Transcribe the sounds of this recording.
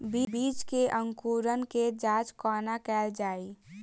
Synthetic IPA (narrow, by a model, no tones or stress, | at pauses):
bibiːt͡ʃkeʔə̃ŋkuːɾənked͡ʒaːt͡ʃkɔːnakɛːld͡ʒaːi